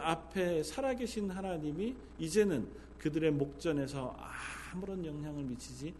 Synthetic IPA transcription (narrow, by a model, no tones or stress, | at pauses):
apʰe̞sʰaɾaɡe̞ɕʰinɦanaɲimiː | d͡ʑe̞nɯn | kɯdɯɾe̞mok̚t͡ɕ͈ʌne̞s̬ʰʌamuɾʌnjʌŋɦjaŋɯɭmit͡ɕʰid͡ʑi